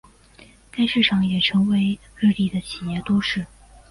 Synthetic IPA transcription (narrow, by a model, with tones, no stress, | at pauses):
ka˥ɪʂɻ̩˥˩ʈ͡ʂʰɑ˨˩ŋjɛ˨˩ʈ͡ʂʰɤ˧˥ŋwe˧˥ɪ | ɻɻ̩˥˧li˥˩d̪ə˩t͡ɕʰi˨˩jɛ˥˩t̪wɔ˥ʂɻ̩˥˩